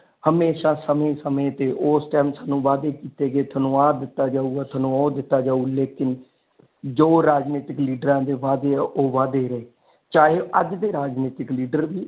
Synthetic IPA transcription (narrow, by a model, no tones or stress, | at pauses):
həmeːʃãːsəmẽːsəmẽːt̪eːʔoːsʈɛːmsaːnũːʋaːd̪eːkiːt̪eːɡeːt̪ʰənũːaːd̪ɪt̪ːaːd͡ʒaːuːɡaːt̪ʰənũɔːd̪ɪt̪ːaːd͡ʒaːuːleːkɪn | d͡ʒoːɾaːd͡ʒniːt̪ɪkliːɖəɾãːd̪eːʋaːd̪eːɛːʔoːʋaːd̪eːɾəeː | t͡ʃaːɦeːʔəd͡ʒd̪eːɾaːd͡ʒniːt̪ɪkliːɖəɾʋiː